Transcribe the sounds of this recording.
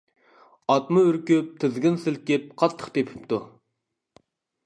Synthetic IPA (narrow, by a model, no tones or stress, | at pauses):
ɑt̪mɨøɾkʲyp̚t̪ʰɪzɡʲɪnsɪlkʲɪp̚qʰɑt̪ʰːə̥χt̪ʰepʰɪ̥pt̪ʰu